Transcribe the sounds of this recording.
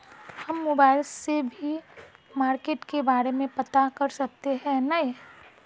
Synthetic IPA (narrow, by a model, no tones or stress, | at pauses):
hɐmːʊbaːɾɪsːebʱimaːɾkeːʈkebaːɾemẽpɐt̪akɐɾsɐk̚t̪eɦɛ̃nɐĩ